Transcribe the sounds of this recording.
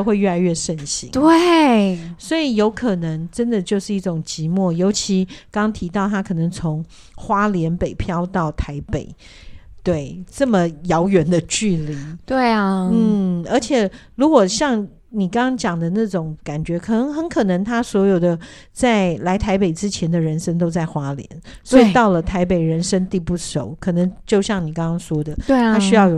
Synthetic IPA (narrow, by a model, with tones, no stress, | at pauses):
xwe˥˧ɪɥɛ˥˩la˧˥ɪɥɛ˥˧ʂə˥˩nɕḭ˧˥ŋt̪we˥˨˩ | swɔ˧˥i˨˩jo˧˥ʊkʰɤ˨˩nə˧˦ŋʈ͡ʂə˥nd̪ə˨t͡ɕjo˥˧ʊʂɻ̩˥˧i˥˩ʊ˨˩ŋt͡ɕi˧˥mwɔ˥˩jo˧˥ʊt͡ɕʰi˧˥kɑ˥ŋɑ˥ŋt̪ʰi˧˥t̪ɑ˥˩ʊt̪ʰa˥kʰɤ˨˩nə˧˦ŋt͡sʰo˧˦ŋ | xwa˥ljɛ˧˥npe˨˩ɪpʰjɑ˥ʊt̪ɑ˥˩ʊt̪ʰa˧˥ɪpe˨˩ɪ | t̪we˥˩ɪʈ͡ʂə˥˩mə˨jɑ˧˥ʊɥɛ˨˥nd̪ə˧t͡ɕy˥˩li˧˥˦t̪we˥˩ɪɐ˩n̩˥˩ə˞˧˥t͡ɕʰjɛ˨˩ɻu˧˥kwɔ˨˩ɕjɑ˥˩ŋ | ni˨˩kɑ˥ŋkɑ˥ŋt͡ɕjɑ˨˩ŋd̪ə˦na˥˩ʈ͡ʂʊ˨˩ŋka˨˩nt͡ɕɥɛ˧˥kʰɤ˨˩nə˧˥ŋxə˧˥nkʰɤ˨˩nɤ˧˥ŋt̪ʰa˥swɔ˧˥jo˨˩ʊd̪ə˦ | t͡sa˥˩ɪla˧˥ɪt̪ʰa˧˥ɪpe˨˩ɪʈ͡ʂɻ̩˥t͡ɕʰjɛ˧˥nd̪ə˨ɻə˧˥nʂə˥ŋt̪o˥ʊt͡sa˥˩ɪxwa˥ljɛ̰˧˦nswɔ˥i˨˩t̪ɑ˥˩ʊlə˩t̪ʰa˧˥ɪpe˨˩ɪɻə˧˥nʂə˥ŋt̪i˥˧pu˥˩ʂo˨˩˦ʊkʰɤ˨˩nə˧˥ŋt͡ɕjo˥˧ʊɕjɑ˥˩ŋni˨˩kɑ˥ŋkɑ˥ŋʂwɔ˥d̪ə˨˥tʰa˥ɕy˥jɑ˥˩ʊjo˨˩